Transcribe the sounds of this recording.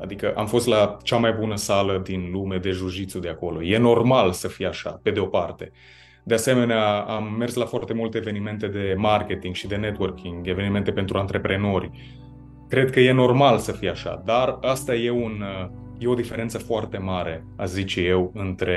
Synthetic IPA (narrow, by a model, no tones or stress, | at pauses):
a̰d̪ikəʔamfo̞st̪lat͡ʃamajbunəsaləd̪inlume̞d̪e̞ʒuʃit̪sud̪eako̞lo̞je̞no̞rmalsəfijaʃa̰pe̞d̪eo̞part̪e̞̰ | d̪ease̞me̞neaamːe̞rslafoart̪e̞mult̪eːve̞nime̞nt̪e̞d̪e̞marke̞t̪iŋɡʃid̪e̞net̪wərkʰiŋɡe̞ve̞nime̞nt̪e̞pe̞nt̪ɾʔuant̪ɾe̞pɾe̞no̞rʲ | kɾe̞d̪̚kəje̞no̞rmalsəfijaʃa̰d̪arast̪aje̞un | je̞o̞d̪ife̞ɾe̞nt̪səfoart̪e̞maɾe̞ | azit͡ʃje̞wɨnt̪ɾe̞